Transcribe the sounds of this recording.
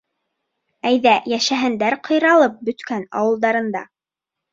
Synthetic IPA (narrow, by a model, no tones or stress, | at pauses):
æjðæjæʃæɦɘ̆nd̪æɾqʰɤ̆jɾɑlˠɤp̚bɵ̆t̪kænɑ̰wɤ̆lˠd̪ɑɾɤ̆nd̪ɑ̰